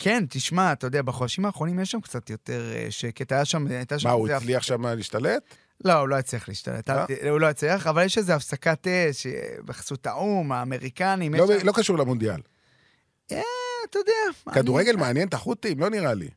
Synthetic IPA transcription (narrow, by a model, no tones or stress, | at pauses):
kʰe̞nt̪iʃmat̪ajodeabaχodʃimaːχʁo̞nimjeʃamkt͡sat̪jo̞te̞ʁḛʃeke̞t̪ajaʃamajt̪aʃauisliaχʃamaliʃt̪alet̪ | lo̞ulo̞jet͡slia̰lḭːʃt̪a̰lʔet̪ulo̞jet͡sliaχavaljeʃlezeafsakateʃebeχḁsutaʔumaːme̞ʁikanimjeolokaʃuʁlemond̪ia̰l | eat̪ajodeamakad̪uʁeɡelmeanjent̪aχut̪imlo̞niʁalḭ